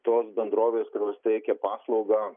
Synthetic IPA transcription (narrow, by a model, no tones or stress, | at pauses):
t̪oːsbʲɛnd̪ɾoːʋʲeːskʊɾʲjoːst̪ʲɛɪkʲɛpɑːslˠɐʊɡɑː